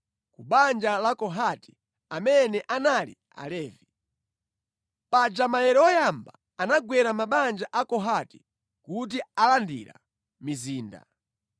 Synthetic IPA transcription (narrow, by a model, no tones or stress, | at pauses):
kuɓand͡ʒalakɔɦati̥ | amɛnɛʔanalḭ | a̰lɛːvi | pad͡ʒamajɛɾɛɔjambaːnaɡwɛɾamaɓand͡ʒaʔakɔɦati̥ | kut̬ialandḭɾa̰ | miziːnda̰